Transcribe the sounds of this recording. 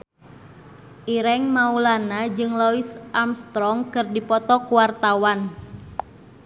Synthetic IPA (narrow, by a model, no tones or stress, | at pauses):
ʔiɾɛŋmaulanad͡ʒɨŋlɔisʔamst̪ɾɔŋkɨrdipɔt̪ɔkuwart̪awan